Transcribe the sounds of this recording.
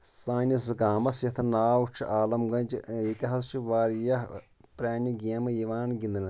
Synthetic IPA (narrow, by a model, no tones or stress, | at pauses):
saːnis̬ɡaːmɐsjɐt̪ʰɐnaːwt͡ʃʰʔaːlɐmɡɐ̃nʲd͡ʒit̪ʲiɦast͡ʃʰiʋaːɾjɐ | pɾʲaːnʲiɡʲeːmɨjiʋaːnɡʲind̪ɨnɐ